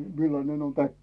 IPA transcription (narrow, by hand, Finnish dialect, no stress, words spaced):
milːɑnen on tækːi